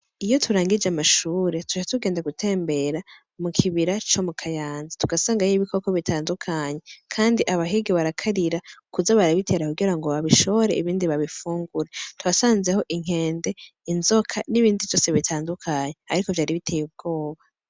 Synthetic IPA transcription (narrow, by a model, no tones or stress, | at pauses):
ijo̞tʰuɾaːŋɡid͡ʒamaʃuːɾe̞tu̥t͡ʃatuɡe̞ːndaɡutʰe̞ːmbe̞ɾa | mukʰiβiɾat͡ʃo̞mukʰajaːnzatuɡasaːŋɡajiβikʰokoβitʰaːndukʰaɲe̞kʰaːndiʔaβaɦiɡiβaɾakʰaɾiɾakuzaβaɾaβitʰe̞ɾakuɡiɾaŋɡo̞βaβiʃo̞βoɾe̞̰ʔiβiːndiβaβifuːŋɡuɾetwasaːnze̞ho̞ʔiŋ̥he̞ːnde̞inzo̞kʰaniβiːndivjo̞ːse̞βitʰaːndukʰaːɲe̞aɾiko̞vjaːɾiβitʰeːjub̚ɡo̞ːβa